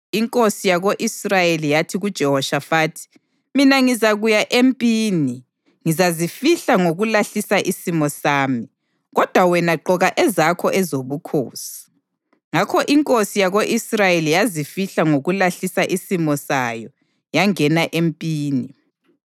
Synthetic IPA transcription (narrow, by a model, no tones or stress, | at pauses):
iŋkʼosijaɣoʔisrajelijatʰiɣud̥ʒ̥ʱɛhɔʃafaːtʰi̥ | minaŋizaɣujaʔempʼiːni | ŋizazifiɬaŋoɣulaɬisaʔisimɔsaːmi | ɣɔd̥ʱwawɛnaǃɔɣaʔɛzakʰɔʔɛzoβukʰo̰ːsi̥ | ŋakʰɔʔiŋkʼosijaɣoʔisrajelijazifiɬaŋoɣulaɬisaʔisimɔsajɔ | jaŋɛnaʔempʼiːni